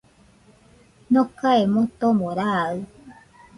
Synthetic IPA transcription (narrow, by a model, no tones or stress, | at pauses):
nõkaemõt̪omõɾaɨ